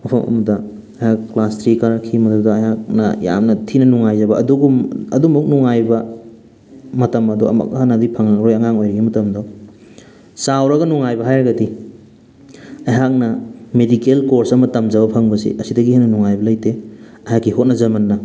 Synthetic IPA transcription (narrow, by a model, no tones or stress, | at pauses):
mɐpʰɐmɐ̰mɐdɐ | ɐjhakːlastɾikaɾakʰimɐdudɐɐjɦak̚nɐja̰mnɐtʰinɐnuŋajzɐbɐʔːduɡumɐdumuk̚nuŋajbɐ | mɐtɐmɐduɐ̰mɐ̰kɦanadipʰɐŋɾojɐŋaŋojɾɐɡimɐtɐmdɔ | sawɾɐɡɐnuŋajbɐɦajɾɐɡɐdi | ɐjɦak̚nɐmedikelkoɾsɐmɐtɐmzɐβɐpʰɐŋbɐsḭʔɐsidɐɡihenɐnuŋajbɐlɐjte | ɐhakːiɦot̚nɐzɐmɐnːɐ